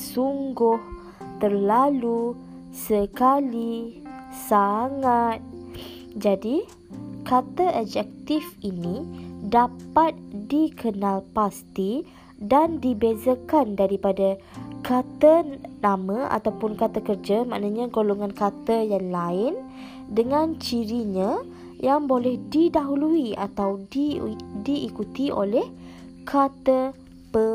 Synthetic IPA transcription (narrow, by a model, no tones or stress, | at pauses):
suŋɡʊh | t̪ərlalu | səkali | saŋat̪̚ | d͡ʒadi | kat̪əʔɔd͡ʒɛk̚t̪ifinidapat̪̚dikʰənalpast̪i | dandibezakandaɾipadakat̪ənamãʔa̰t̪awpʊnkat̪akərd͡ʒama̰ʔnaɲãɡoloŋãnkat̪əjaŋlaɪn | dəŋãnt͡ʃiɾiɲã | jaŋbolɛhdidaɦuluia̰t̪awidiʔːkut̪io̰lɛh | kʰat̪ə | pə